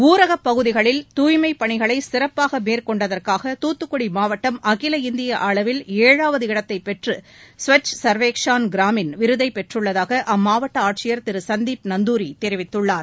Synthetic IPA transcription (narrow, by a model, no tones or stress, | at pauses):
uːɾɐɣɐpːɐɣɯðɪɣɐɭɪlt̪uːjmɐɪpːɐɳɪɣɐɭɐɪsɪɾɐpːaːɣɐmeːɾkɔɳɖɐðɐrkaːɣɐt̪uːt̪ːɯkːɔɽimaːʋɐʈːɐmɐɣɪlɐɪnd̪ɪjɐʔaːɭɐʋɪleːɻaːʋɐðɯɪɽɐt̪ːɐɪpːɛʈrɯ | sʋɐt͡ʃsɐɾʋeːkʂaːnɡɪɾaːmɪnʋɪɾɯðɐɪpɛʈrɯɭːɐðaːɣɐʔɐmːaːʋɐʈːɐaːʈ̚t͡ʃɪjɐɾt̪ɪɾɯsɐnd̪iːpnɐnd̪uːɾit̪ɛɾɪʋɪt̪ːɯɭːaːɾ